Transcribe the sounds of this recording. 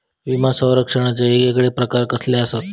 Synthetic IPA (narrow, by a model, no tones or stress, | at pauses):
ʋimasə̃w̃ɾəkʂəɽ̃at͡ɕaeɡekɽepɾəkaɾkəsleəsot̪